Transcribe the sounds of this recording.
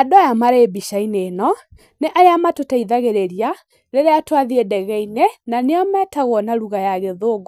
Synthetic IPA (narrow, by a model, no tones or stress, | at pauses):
adoajamaɾeːbiʃainenɔ | neʔajamatotaiðaɣeɾeɾia | ɾeɾeatwaðiedɛɣɛinenaneɔmɛtaɣɔnaɾuɣajaɣeðoːɡ